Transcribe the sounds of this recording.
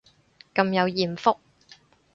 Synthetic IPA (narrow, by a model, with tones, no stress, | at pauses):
kɐ˧mjɐ˨˧wjiː˨˩mfʊ˥k̚